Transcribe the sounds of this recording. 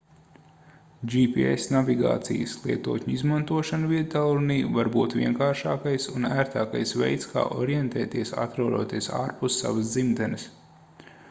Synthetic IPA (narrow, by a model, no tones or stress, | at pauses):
d͡ʒipiḛsnavʲiɡa̰ːt̪sḭjə̰slˠiɛt̪uɔtʲɲuizmant̪uɔʃanvit̪alˠuɾniːvaɾbuːt̪ʋʲiɛŋkaːɾʃaːkajsunæːɾt̪aːkajsvɛ̰jt̪ska̰ːʔɔɾijent̪ɛːt̪iɛsa̰t̪ɾawɾuɔt̪iɛsa̰ːɾpust̪sa̰vəsd̪zimd̪ɛnɐs